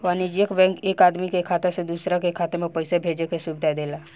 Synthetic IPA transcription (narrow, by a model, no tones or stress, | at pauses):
ʋaːnid͡ʒijəkbɛ̃ːkeːkaːd̪mikekʰaːt̪esed̪uːsɾakekʰaːt̪emẽpəɪsebʱeːd͡ʒekesuːbd̪ʱad̪eːlaː